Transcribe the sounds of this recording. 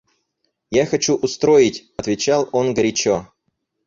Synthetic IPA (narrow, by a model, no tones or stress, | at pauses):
jaxɐt͡ɕuʔʊst̪ɾojɪtʲɐt̪vʲɪt͡ɕalˠonɡəɾʲɪt͡ɕo